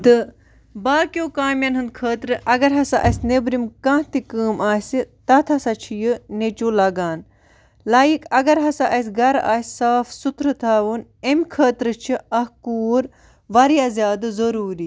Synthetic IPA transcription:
d̪ɨ | baːkʲjoːkaːmjɐnɦɨnd̪̚kʰəːt̪ɾɨʔɐɡɐɾɦɐsaʔɐsʲnebɾimkãːt̪ikəːmaːsit̪ɐt̪ʰɐsɐt͡ʃʰijɨnet͡ʃuːlɐɡaːn | laːjikɐɡɐɾɦɐsaʔɐsʲɡɐɾa̰ːsʲsaːfsut̪ɾɨt̪ʰaːʋunemʲkʰəːt̪ɾɨt͡ʃʰiɐhkuːɾ | ʋɐɾiɐzjaːd̪ɨzɐɾuːɾi

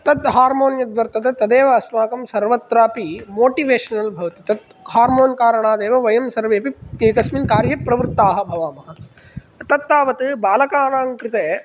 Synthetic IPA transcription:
t̪ɐt̪ɦaːɾmoːnjɐd̪ʋɐɾt̪ɐt̪et̪ɐd̪eːʋɐɐsmaːkɐmsɐɾʋɐt̪ɾaːpimoːʈiʋeːʃɐnɐlbʱɐʋɐt̪it̪ɐd̪̚ | haːɾmoːnkaːɾɐɳaːd̪eːʋɐʋɐjɐmsɐɾʋeːpikeːkɐsminkaːɾjɐpɾɐʋɾt̪ːaːɦɐ̆bʱɐʋaːmɐɦɐ | ɐt̪ɐt̪ːaːʋɐt̪ɨbaːlɐkaːnaːŋkɾɪt̪eː

